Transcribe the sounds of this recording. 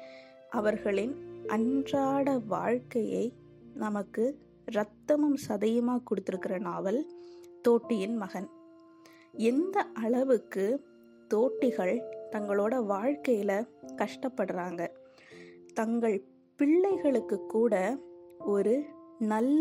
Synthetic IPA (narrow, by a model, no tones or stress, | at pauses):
ʔɐʋɐɾɣɐɭɪnʔɐndraːɽɐʋa̰ːɻkɐjɐ̰ɪ | nɐmɐkːɯ | ɾɐt̪ːɐmɐmsɐðɐjɐmaːkɔɽɯt̪ːɪɾɯkːɪrɐnaːʋɐlt̪oːʈːɪjɪnmɐɣɐn | ɛnd̪ɐʔɐɭɐʋɯkːɯ | t̪oːʈːɪɣɐɭt̪ɐŋɡɐɭoːɽɐʋaːɻkɐjɪlɐkɐʂʈɐpːɐɽɯraːŋɡɐ | t̪ɐŋɡɐɭ | pɪɭːɐɪɣɐɭɯkːɯkːuːɽɐɔɾɯnɐlː